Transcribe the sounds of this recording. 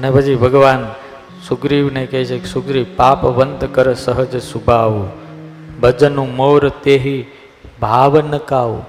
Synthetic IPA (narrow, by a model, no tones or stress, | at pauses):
ənepət͡ʃʰibʱəɡʋaːn | suɡɾiʋnekəɦit͡ʃʰekesuɡɾipaːpʋənt̪kəɾəsəɦəd͡ʒsubʱaʋu | bəd͡ʒənũmowɾət̪eɦi | bʱaːʋnəkaːʋu